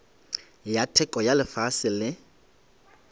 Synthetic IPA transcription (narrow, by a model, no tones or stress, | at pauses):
jatʰɛkʼɔjalɪfasɪlɪ